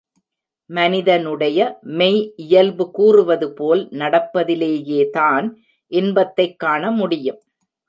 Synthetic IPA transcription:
mɐnɪðɐnɯɽɐjɐmɛɪɪjɐlbɯkuːrɯʋɐðɯpoːlnɐɽɐpːɐðɪleːjeːt̪aːn | ʔɪnbɐt̪ːɐɪkːaːɳɐmʊɽɪjɐm

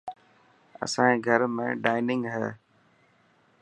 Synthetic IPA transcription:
ə̰sãːĩːɡʱəɾmẽːɖaːɪnɪ̃ŋɡɦɛː

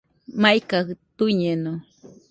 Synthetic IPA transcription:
majkaht̪uɲeno

